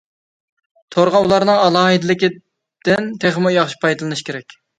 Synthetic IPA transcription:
t̪ʰoɾʁɑlˠɑɾnɨŋɑlˠɑːɦɨd̪ɪlɪkʲi | d̪̥ɪnt̪ʰeχmujɑχʃi̥pʰɑjd̪ɨlˠɨnɨʃkʲeɾɛkʲ

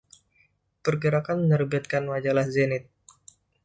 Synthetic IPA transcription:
pərɡəɾakanmənərbat̪̚kanmad͡ʒalahzenɪt̪̚

